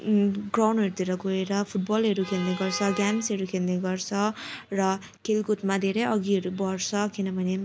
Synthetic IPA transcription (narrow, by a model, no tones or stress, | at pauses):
ɡrawnɦʌɾut̪iɾʌɡoeɾʌpʰuʈ̚bʌlɦʌɾukʰelneɡʌrt͡sʰʌɡamsɦʌɾukʰelneɡʌrt͡sʰʌrʌ | kelkut̪mad̪ʱeɾeʌɡiɦʌɾubʌrt͡sʰʌkinʌbʱʌne